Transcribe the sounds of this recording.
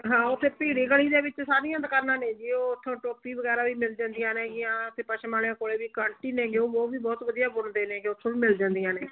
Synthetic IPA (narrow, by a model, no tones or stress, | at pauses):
ɦãːʊt̪ʰːeːpiːɽiːɡəɽiːd̪eːʋɪt͡ʃsaːɾijãːd̪əkəɾnãːnẽːd͡ʒiːoːʊt̪ʰːõːʈoːpiːʋəɡɛːɾaːʋiːmɪld͡ʒãːnd̪ɪjãːneːɡɪjãːt̪ʰːeːpəʃəmaːlejãːkoːɽeːʋiːkəɳʈiːneːɡeoːbɔːʋiːbɔːt̪ʋəd̪ijaːbʊɳd̪eːnẽːkeʊt̪ʰːõːʋiːmɪld͡ʒãːnd̪ijãːneː